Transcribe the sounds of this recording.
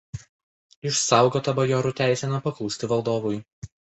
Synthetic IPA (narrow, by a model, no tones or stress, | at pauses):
ɪʃsɑˑʊɡoːt̪ɐbɐjɔːɾʊˑt̪ʲæˑɪsʲɛnɐpɐklˠuːsʲt̪ʲɪʋɐlˠd̪oːʋʊj